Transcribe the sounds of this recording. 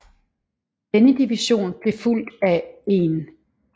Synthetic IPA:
d̥enəd̥iʋiɕo̝̰ːnb̥le̝ful̰d̥æe̝n

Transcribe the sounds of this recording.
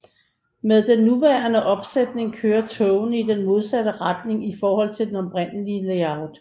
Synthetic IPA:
með̞ˠd̥enːuʋæːɐnəʔɒ̽b̥sed̥ne̝ŋkʰøːɐt͡sʰɔʊnəid̥enmo̝ð̞ˠsæd̥əʁad̥ne̝ŋifɒːhɒ̽l̰t͡sʰe̝d̥enɒ̽bʁen̰əliəleɑ̈ʊd̥

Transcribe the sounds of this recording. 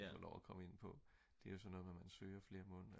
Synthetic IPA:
fɒlɒ̰ʊækʰɒ̽məe̝n̰pʰɒ̽ | d̥e̝æjo̝sɒ̽nɔ̽ːðˠmemænsøːɐfle̝ːɐmɔ̽ːn

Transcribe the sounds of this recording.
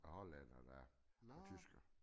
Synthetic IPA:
æhɒlænɐd̥æɒt͡sʰysɡ̥ɐ

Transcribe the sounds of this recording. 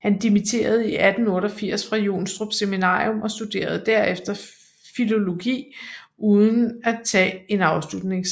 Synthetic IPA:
hænd̥imit͡sʰe̝̰ːɐð̞̩ˠiʔæd̥n̩ɔ̽ːɾəɒfiɐ̰sfʁɑ̈jo̝̰ːnsd̥ʁob̥seminɑ̰̈ːiɔ̽mɒ̽sd̥ud̥e̝̰ːɐð̞̩ˠd̥æɐ̰efd̥ɐ | filo̝lo̝ɡ̥ḭːʔuðˠən̩æt͡sʰɛ̰ːe̝nɑ̈ʊslud̥ne̝ŋs

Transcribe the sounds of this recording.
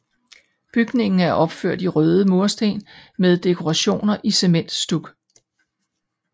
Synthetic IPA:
b̥yɡ̥ne̝ŋn̩æɐʔɒ̽b̥fø̰ɐ̰d̥iʁœːð̞ˠəmo̝ɐsd̥e̝̰ːnmeð̞ˠd̥e̝kʰo̝ʁɑɕo̝̰ːnɐʔise̝men̰d̥sd̥uɡ̥

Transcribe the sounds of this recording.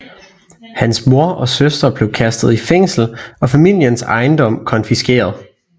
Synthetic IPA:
hænsmo̝ɐʔɒ̽søsd̥ʁɐb̥le̝ʊkʰæsd̥ð̞̩ˠifeŋ̰sl̩ɒ̽fæmil̰jənsɑ̈ɪnd̥ɒ̽m̰kʰɒ̽nfisɡ̥e̝̰ːɐð̞ˠ

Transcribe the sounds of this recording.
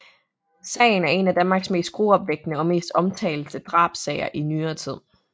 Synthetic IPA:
sɛ̰ɪn̩æɐe̝næd̥ænmɑ̈ɡ̥sme̝̰ːsd̥̚ɡ̥ʁoːɒ̽b̥ʋeɡ̥̚d̥nəɒ̽me̝̰ːsd̥ɒ̽mt͡sʰɛ̰ɪl̩səd̥ʁɑ̰̈ːb̥sɛɪɐʔinyːɐːt͡sʰið̰ˠ

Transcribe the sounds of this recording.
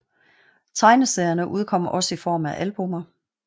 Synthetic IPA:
t͡sʰɑ̈ɪnəseːɐnəʔuð̞ˠkʰɒ̽m̰ɐʔɒ̽səifɒ̰ːmæʔælb̥o̽mɐ

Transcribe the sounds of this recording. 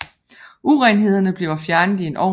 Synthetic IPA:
ʔuʁɛnɦe̝ð̞̰ˠɐnəb̥le̝ʊɐfjæɐnəð̩ˠie̝nʔɒ̰

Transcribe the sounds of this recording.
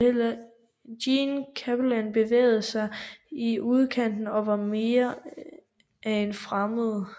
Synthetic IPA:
hel̰ɐ | dinkʰæb̥lænb̥e̝ʋḛːɪð̩ˠəsɑ̈ɪiuð̞ˠkʰæn̰d̥n̩ɒ̽ʋɑ̈me̝ːɐ | ʔæe̝nfʁaməðˠə

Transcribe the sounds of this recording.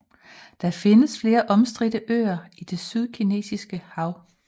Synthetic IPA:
d̥ɑ̈fe̝nəsfle̝ːɐʔɒ̽msd̥ʁidəʔø̰ːɐid̥e̝syð̞ˠkʰine̝̰ːsisɡ̥əhɑ̈ʊ̰

